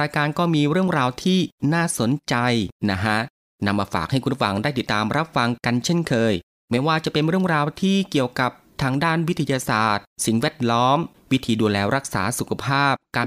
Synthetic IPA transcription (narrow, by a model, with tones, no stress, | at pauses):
ɾaː˧jkaː˧nkɔː˥˩miː˧ɾɯ˥˩əŋɾaː˧wt̪ʰiː˥˩naː˥˩so˩˦nt͡ɕa˧jna˦˥kʰa˦˥ʔ | na˧mːaː˧fa̰ː˨˩k̚ha˥˩jkʰu˧˥nfa˧˩ŋda˥˩jt̪i˨˩t̪ːaː˧mɾa˦˥p̚fa˧ŋka˧nt͡ɕʰe˥˩nkʰɤː˧j | mɛː˦˥waː˧t͡ɕa˨˩pe˧nɾɯ˥˩əŋɾaː˧wt̪ʰiː˥˩ki˨˩əwka˨˩p̚t̪ʰaː˧ŋdaː˥˩nwi˦˥t̪ʰːa˧jaː˧saː˨˩t̪̚si˨˩ŋwɛː˥˩t̪̚lɔː˦˥m | wi˦˥t̪ʰiː˧duː˧lɛː˧ɾa˦˥k̚sa̰ː˩˦su˨˩kʰa˧pʰaː˥˩p̚kaː˧